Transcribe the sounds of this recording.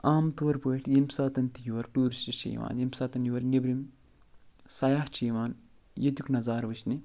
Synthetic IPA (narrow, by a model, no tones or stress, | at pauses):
aːmt̪uɐɾpoiʈʰjimsaːt̪ɐnt̪ijuʋɐɾʈuːɾisʈit͡ʃḭːʋa̰ːnjimpsaːt̪ɐnjuʋɐɾnebɾim | sɐjaːht͡ʃʰiːʋaːn | jɐt̪uknɐzaːɾʋɨt͡ʃʰni